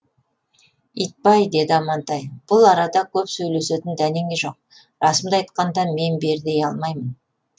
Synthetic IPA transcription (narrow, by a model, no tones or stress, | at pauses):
ijt̪̚pɑjd̪e̞d̪ɪɑmɑnt̪ɑjb̥ʊlˠɑɾɑd̪ɑkʲʰɵpsɵjle̞se̞t̪ɪnd̪æne̞ŋeʒo̞̰q̚ | ɾɑsəmd̪ɑɑjt̪̚qɑnd̪ɑme̞nbe̞ɾd̪e̞jɑlˠmɑjmən